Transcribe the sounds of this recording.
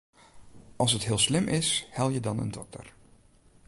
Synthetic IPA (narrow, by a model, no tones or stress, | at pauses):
ɑlˠsətɦɪːlˠslɪmʔɪshɛlˠjədɑnə̰ndɔk̚tə̰r